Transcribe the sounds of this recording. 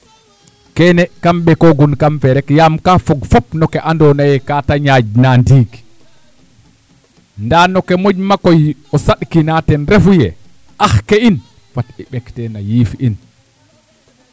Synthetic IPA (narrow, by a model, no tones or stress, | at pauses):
kɛnɛkamɓɛkɔɡunkamfɛɾɛkjamkafɔɡfɔpnɔkɛʔandɔnajɛkaːtaɲad͡ʒnandiːɡi̥ | ndanɔkɛmod͡ʒmakɔjɔsaɗkinatɛnɾefjɛ | ʔaxkɛin | fatɛɓɛktɛnajiːfiʔin